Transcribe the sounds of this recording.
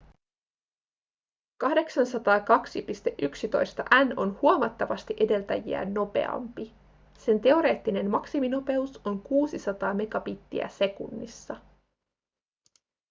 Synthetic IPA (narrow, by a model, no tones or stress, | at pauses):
kɑhde̞ksɑnsɑt̪ɑːkɑksipist̪e̞ʔyksit̪o̞̰jst̪ɑʔæno̞nhuomɑt̪ːɑʋɑst̪iʔe̞de̞lt̪æjḭæ̰nːo̞pe̞̰ɑ̰mpi | se̞nt̪e̞o̞ɾe̞ːt̪ːine̞nmɑksimino̞pe̞uso̞ŋkuːsisɑt̪ɑːme̞ɡɑpit̪ːḭæ̰se̞kṵnːḭsːɑ